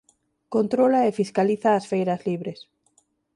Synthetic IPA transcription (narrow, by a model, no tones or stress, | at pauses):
kont̪ɾolaefiskaliθaːsfejɾazliβɾes